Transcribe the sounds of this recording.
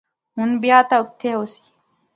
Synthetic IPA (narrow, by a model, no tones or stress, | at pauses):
hunbjaːt̪auk̚t̪ʰːeusi̥